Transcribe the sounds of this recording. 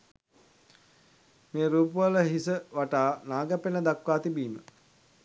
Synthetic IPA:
meːɾuːp̬uʋələɦisəʋaʈaːnaːɡəpenəd̪akʋaːt̪ibiːmə

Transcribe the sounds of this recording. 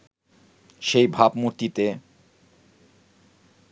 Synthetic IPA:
ʃejbʱabmuɾt̪it̪e

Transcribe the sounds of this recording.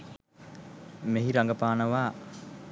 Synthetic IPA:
meɦiɾaŋɡəpaːnəʋaː

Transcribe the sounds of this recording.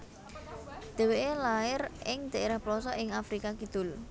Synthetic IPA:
d̪̥e̤weelaɪrʔɪŋd̪̥aʔeɾahplɔsɔʔɪŋafɾikakid̪̥ʊ̤l

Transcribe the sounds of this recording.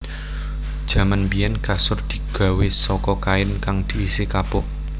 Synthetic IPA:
d̥ʒ̥ä̤manbijɛnkasʊrd̪̥i̥̤ɡ̥a̤wesɔkɔkaɪnkaŋd̪̥i̤ːsekapʊ

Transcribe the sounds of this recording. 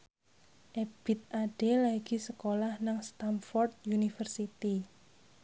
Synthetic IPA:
ʔeb̥i̤t̪̚ʔaɖ̥e̤laɡ̥i̤səkolahnaŋst̪amfɔrd̪̚junifərsit̪i

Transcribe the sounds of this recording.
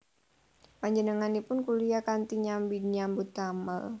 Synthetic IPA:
paɲd͡ʒənəŋanipʊnkulijakant̪iɲambidɲambut̪amə̰l

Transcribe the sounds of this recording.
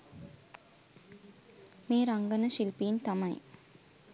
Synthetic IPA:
meːɾɐŋɡɐnɐʃilpijint̪ɐmɐj

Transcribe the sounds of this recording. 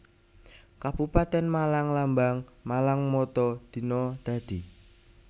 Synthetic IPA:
kab̥upat̪ɛnmalaŋlambaŋmalaŋmɔt̪ɔd̪̥i̤nɔd̪̥a̤d̪̥i̤

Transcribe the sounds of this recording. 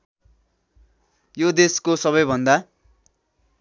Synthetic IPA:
jod̪eskosʌβʌjbʱʌnd̪a

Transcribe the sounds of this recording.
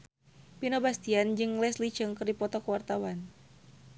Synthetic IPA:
pinobast̪iand͡ʒɨŋlɛslit͡ʃɨŋkɨrdipɔt̪ɔkəwart̪awan

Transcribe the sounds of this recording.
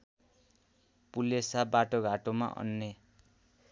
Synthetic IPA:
pulesabaʈoɡʱaʈoma̰ʔʌ̰nːe

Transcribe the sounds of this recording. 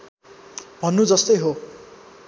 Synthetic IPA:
b̥ʱʌnːud͡zʌst̪ʌjɦo

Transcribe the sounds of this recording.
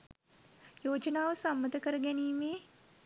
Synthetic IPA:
joːd͡ʒənaːʋəsamːəd̪əkəɾəɡæniːmeː

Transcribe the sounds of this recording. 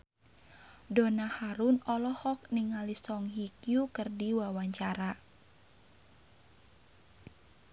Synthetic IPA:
dɔnahaɾunɔlɔhɔk̚niŋalisɔŋɦikjukərdiwawaɲt͡ʃaɾa

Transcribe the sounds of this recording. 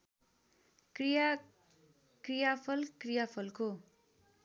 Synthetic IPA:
krija | krijapʰʌlkrijapʰʌlko

